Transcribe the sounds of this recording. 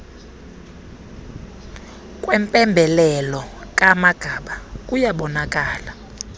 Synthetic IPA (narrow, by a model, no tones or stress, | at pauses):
kʼwɛmpʼɛmbʱɛlɛlɔkʼamaɡ̥ʱaɓakʼujaɓɔnakʼaːla